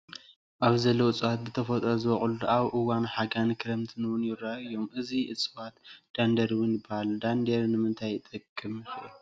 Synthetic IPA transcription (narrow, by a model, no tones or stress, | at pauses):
ʔaβzɐlːoɨt͡sʼɨwat̪̚bɨt̪ʰɐfot̪ʼɐzɨβɐχʼulud̪ʔaβʔɨwanħaɡankʰɨɾɐmt̪ʰɨnwʊnjɪɾaɨjːo̞mʔɨziʔɨt͡sʼɨwat̪d̪̥and̪ɐɾwʊnbahald̪and̪eɾnɨmɨnt̪ʰajt̪ʼɨkʼːɨmɨxʔi